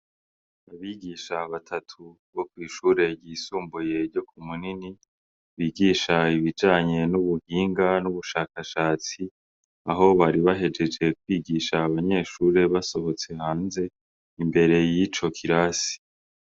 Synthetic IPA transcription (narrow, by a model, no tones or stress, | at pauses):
aβiːɡiːʃaβatʰatʰu | βo̞kwiːʃuːɾe̞ɟiːsuːmbuje̞ɾɟo̞k̚ʰumunini | βiːɡiːʃaiβid͡ʒaːɲe̞nuβuhiːŋɡanuβuʃaːkaʃaːt͡si | aɦo̞βaɾiβaɦe̞d͡ʒe̞d͡ʒe̞kwiːɡiːʃaːβaɲe̞ːʃuːɾe̞βaso̞βo̞t͡se̞haːnze̞ | imbe̞ɾe̞jit͡ʃo̞kʰiɾasi̥